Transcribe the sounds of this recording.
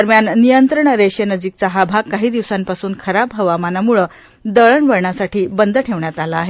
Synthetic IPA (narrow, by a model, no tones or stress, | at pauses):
əɾmjanːijənt̪ɾəɳəɾeɕjənəd͡ʑiːk̚t͡saɦabʱaɡ̚kːaɦiːd̪iʋsanpasuːnkʰəɾapɦəʋamanamuɭə | d̪əɭəɳʋəɽɳasaʈʰiːbənd̪ʱəʈʰeʋɳjat̪alaːɦe